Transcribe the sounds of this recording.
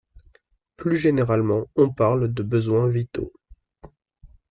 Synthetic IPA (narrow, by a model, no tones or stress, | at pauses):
plyʒeneʁalmɑ̃ɔ̃paʁld̪əbəzwɛ̃vit̪o̰